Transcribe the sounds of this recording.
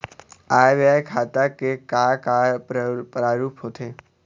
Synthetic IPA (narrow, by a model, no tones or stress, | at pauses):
aːjʋakʰaːt̪akekaːka | pɾaːɾuːpɦot̪ʰeː